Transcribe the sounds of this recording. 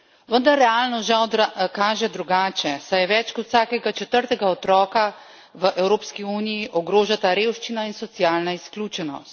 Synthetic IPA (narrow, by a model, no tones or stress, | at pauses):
ʋənd̪aɾːɛaːlnɔʒawd̪ɾakaːʒɛd̪ɾuɡaːt͡ʃɛsajɛʋɛt͡ʃkɔt̪saːkɛɡat͡ʃɛt̪əɾt̪ɛɡaɔt̪ɾɔːka | ʋəʔɛwɾoːpskiuːnijiʔɔɡɾoːʒat̪aɾewʃt͡ʃinainsɔt̪siaːlnaisklʲjuːt͡ʃɛnɔ̰st̪̚